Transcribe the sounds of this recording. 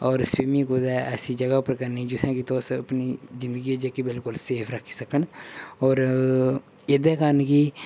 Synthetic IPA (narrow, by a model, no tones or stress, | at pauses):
ɔːɾswiːmĩːkoːd̪aːʔɛsiːd͡ʒəɡaːpəɾkəɾnid͡ʒʊsɛ̃kit̪oːsəpniːzɪ̃nd̪əɡiːed͡ʒekibɪlkʊlseːpʰɾəkʰːi̥səkənɔːɾ | ed̪ɛːkəɾnki